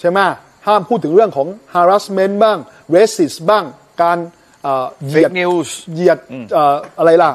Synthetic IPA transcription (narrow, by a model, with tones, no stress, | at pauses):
t͡ɕʰa˥˩jma˦˥˩ | haː˥˩mpʰuː˥˩t̪ʰːɯ˩˦ŋɾɯ˥˩əŋkʰɔː˩˦ŋhaː˧ɾa˦˥sme˦˥nbaː˥˩ŋ | weː˦˥si˨˩sbaː˥˩ŋ | kaː˧n | ʔəː˨˩ji˧˩ni˧sji˨˩ət̪̚ʔəː˨˩ʔa˧ɾa˧jla˧˩